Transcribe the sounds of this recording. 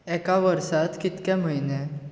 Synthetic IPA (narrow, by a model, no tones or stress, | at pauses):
ɛkaʋəɾsat̪kit̪kɛ̃m̤əɦine